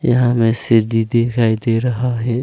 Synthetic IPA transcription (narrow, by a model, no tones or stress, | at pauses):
jɐɦãmẽsɪɾd̪id̪ekʰaid̪eɾəɦaɦɛ